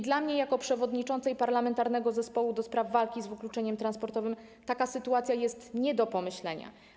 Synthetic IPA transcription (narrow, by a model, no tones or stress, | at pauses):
d̪lamɲɛjakɔpʂɛvɔd̪ɲit͡ʂɔnt̪sɛjpaɾlamɛnt̪aɾnɛɡɔzɛspɔwud̪ɔspɾavːalkʲizvɘklut͡ʂɛɲɛmt̪ɾanspɔɾt̪ɔvɘm | t̪akasɘt̪uat̪sʲjajɛst̪ɲɛd̪ɔpɔmɘɕlɛɲa̰